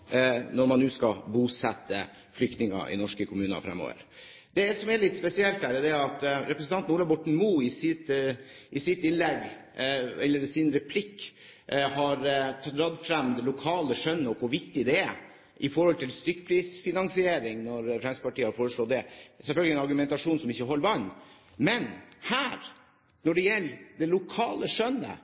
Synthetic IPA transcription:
nɔɾmɑnːʉːskɑbuːsɛt̪ʰːə̰ | flʏk̚t̪nɪŋɑ̰ʔɪ̰nɔʂkəkʰʊmʉːnə̰fɾɛ̰mo̰ːʋə̰ɾ | d̪ɛsɔmɛlɪt̪spɛsɪɛlt̪d̪æːɖɛd̪ɛɑt̪ɾɛpɾəsn̩ɑnn̩uːɭɑbɔʈɳ̩muːɪsɪt̪ʔɪsɪt̪ɪnlɛɡ | ɛlːəɖɛsɪnɾɛpʰlɪkː | hɑɾt̪ʰɑt̪ɾɑd̪fɾɛmd̪ɛlʊkʰɑːləʂœnːəɔkʋʊɾʋɪkt̪ɪd̪ɛæ | ʔɪfɔɾhɔlt̪ɪlst̪ʏkːəpʰɾiːsfɪnɑŋsɪeːɾɪŋnɔɾfɾɛmsəpɑʈiːəhɑɾfoːɾəʂɭɔt̪̚d̪ɛsɛlfœlɡəlɪɛnɑɾɡʉmɛnt̪ɑʂuːnsɔmɪçːəɦɔlːəʋɑnː | mɛnhæːɾ | nɔɖɛjɛlːd̪ɛlʊkʰɑːləʂœnːə̰

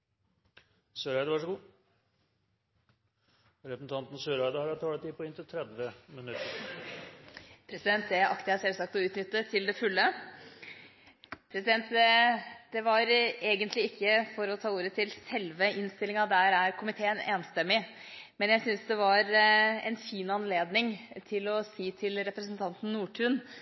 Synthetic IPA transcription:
søːɾæɪd̪əʋɑʂɡuː | ɾɛpəsn̩t̪ʰɑnt̪n̩søːɾæɪd̪əhɑɾɑt̪ʰɑːlət̪ʰiːpʰɔɪnt̪ɪlt̪ʰɾɛd̪ʋəmɪnʉt̪ːə | pʰɾɛsɪd̪ɛnt̪̚d̪ɛʔɑkt̪ɪæsɛlsɑk̚t̪ɔʉːt̪nʏt̪ːət̪ʰɪld̪ɛfʉlːə | pʰɾɛsɪd̪ɛnt̪ | d̪̥ɛʋɑɾeːɡənt̪lɪɪkːəfɔɾɔt̪ʰɑːuːɾət̪ʰɪlsɛlʋəɪnst̪ɪlɪŋɑd̪æɾæɾkʰʊmɪt̪ʰeːəneːnst̪ɛmːɪ | mɛnjæɪsʏnsd̪ɛʋɑɾɛ̰nfiːnɑnleːd̪nɪŋt̪ʰɪlɔsiːt̪ʰɪlɾɛpɾəs̬nt̪ʰɑnt̪n̩ːuːʈʰʉːn

